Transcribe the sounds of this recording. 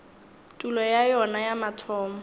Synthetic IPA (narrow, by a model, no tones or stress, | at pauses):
tʼulɔjajɔnajamatʰɔːmɔ